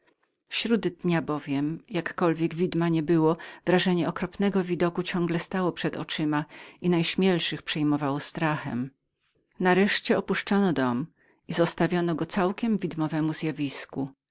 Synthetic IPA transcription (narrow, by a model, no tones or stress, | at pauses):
fɕɾud̪d̪ɲabɔvʲjɛmjakːɔlvʲjɛɡvʲid̪maɲɛbɘwɔvɾaʐɛɲɛɔkɾɔpnɛɡɔvʲid̪ɔkut͡ɕɔ̃ŋɡlɛst̪awɔpʂɛd̪ɔ̰t͡ʂɘmainajɕmʲjɛlʂɘxpʂɛjmɔvawɔst̪ɾaxɛ̰m | naɾɛʂt͡ɕɛɔpuʂt͡ʂɔnɔd̪ɔm | izɔst̪avʲjɔnɔɡɔt̪sawkʲɛmvʲid̪mɔvɛmuzʲjavʲisku